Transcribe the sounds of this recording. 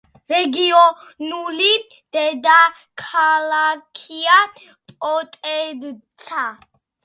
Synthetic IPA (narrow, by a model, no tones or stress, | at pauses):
ɾɛɡiɔ | nuli | d̪̥ɛd̪a | kʰalakʰia | pʼɔt̪ʼɛd̪t̪sʰa